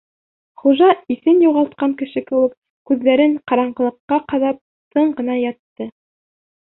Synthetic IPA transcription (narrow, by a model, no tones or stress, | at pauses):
χuʒɑiθɘnjuʁɑlˠt̪̚qɑŋkɘ̆ʃɘkɘ̆wɘk̚ | kʉðlæɾɘɴqɑɾɑɴɢɤ̆lˠɤ̆qːɑqɑðɑp̚ | sɤɴɢɤ̆nɑjɑt̪ːɤ